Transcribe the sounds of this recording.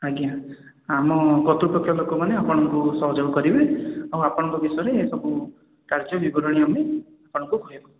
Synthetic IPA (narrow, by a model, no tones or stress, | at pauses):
aɡja | amɔɡɔt̪uɾupɾɔkʰjɔlokɔmaneapɔɽ̃ɔŋkusɔɦɔd͡ʒɔbɔkɔɾibeawapɔɽ̃ɔŋkɔɡisɔɾeɦesɔbu | kaɾd͡ʒɔbibɔɾɔɽ̃iame | apɔɽ̃ɔ̃ŋkubʱojekɔ